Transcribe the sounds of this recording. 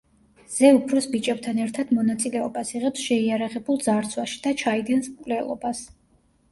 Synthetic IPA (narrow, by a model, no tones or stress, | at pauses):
z̥ɛupʰɾɔsbit͡ʃʼɛb̚t̪ʰanɛɾt̪ʰad̪̥mɔnat̪sʼilɛɔbasiʁɛpsʃɛiaɾaʁɛbulˠd̪zaɾt̪sʰwaʃi̥d̪̥at͡ʃʰaid̪ɛnsmkʼwlɛlˠɔ̰bas